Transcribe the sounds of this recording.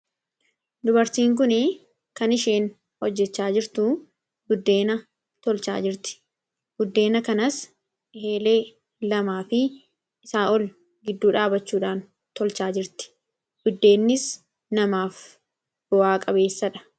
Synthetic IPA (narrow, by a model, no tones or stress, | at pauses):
d̪ʊbɐɾt̪iːŋk̬ʊnɪ | kɐnɪʃe̞ːn | hɔd͡ʒːɛt͡ʃːaːd͡ʒɪɾt̪ʊ | ɡʊd̪ːe̞ːnɐ | t̪ɔlt͡ʃa̰ːd͡ʒɪɾt̪ɪ̥ | ɡ̥ʊd̪ːe̞ːnɐkɐnɐs | he̞ːle̞ː | lɐmaːfɪ | ɪsaːʔɔl | ɡɪd̪ːuːᶑaːbɐt͡ʃːuːᶑaːn | t̪ɔlt͡ʃaːd͡ʒɪɾt̪ɪ̥ | ɡ̥ʊd̪ːe̞ːnːɪs | nɐmaːf | b̥ɔaːkʼɐbe̞ːsːɐᶑɐ̥